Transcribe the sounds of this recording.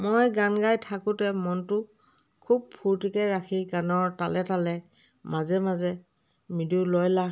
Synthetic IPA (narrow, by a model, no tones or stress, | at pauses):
mojɡanɡajtʰakʊ̃tɛmɔntʊ | kʰub̚pʰuɹtikɛɹakʰiɡanɔɹtalɛtalɛ | mazɛmazɛ | midulojla